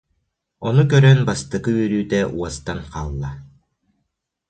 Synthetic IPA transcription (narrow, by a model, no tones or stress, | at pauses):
ɔnukœɾœnbast̪ɯɡɯyɾyːt̪ɛʔuɔst̪anqaːlˠːa